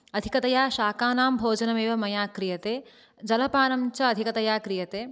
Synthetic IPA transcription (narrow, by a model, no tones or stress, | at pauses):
ɐd̪ʱikɐt̪ɐjaːʃaːkaːnaːmbʱoːd͡ʒɐnɐmeːʋɐmɐjaːkɾijɐt̪eː | d͡ʒɐlɐpaːnɐmt͡ʃɐɐd̪ʱikɐt̪ɐjaːkɾijɐt̪eː